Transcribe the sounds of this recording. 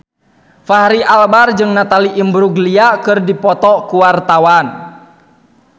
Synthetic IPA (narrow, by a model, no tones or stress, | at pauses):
faɦɾiʔalbard͡ʒɨŋnat̪aliʔimbɾuɡliakɨrdipɔt̪ɔkuwart̪awan